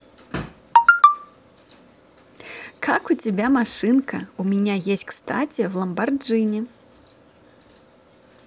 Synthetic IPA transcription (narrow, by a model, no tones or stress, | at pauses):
kʰakut͡sʲabʲamaʂɨnkɐumʲanʲajesʲtʲkst̪at͡sʲɛwlˠɐmbard͡ʐɨnʲɛ